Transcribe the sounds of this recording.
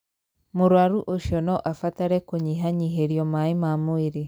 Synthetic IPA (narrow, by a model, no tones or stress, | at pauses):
moɾwaɾuʔoʃjɔnɔʔafataɾɛkoɲiɦaɲiɦeɾiɔmaemamoeɾe